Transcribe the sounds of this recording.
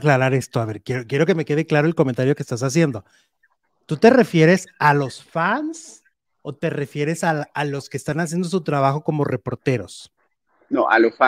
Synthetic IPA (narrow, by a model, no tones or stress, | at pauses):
klaɾaɾe̞st̪o̞aβe̞ɾkje̞ɾokje̞ɾo̞ke̞me̞ke̞ð̞eklaɾo̞e̞lkome̞nt̪aɾjo̞kest̪as̬as̬je̞nd̪o̞ | t̪ut̪e̞re̞fje̞ɾe̞salo̞sfans | o̞t̪e̞re̞fje̞ɾe̞saalo̞ske̞ːst̪anas̬je̞nd̪o̞s̬ut̪ɾaβ̞axo̞ko̞mo̞re̞po̞ɾt̪e̞ɾo̞̰s | no̰ʔa̰losfa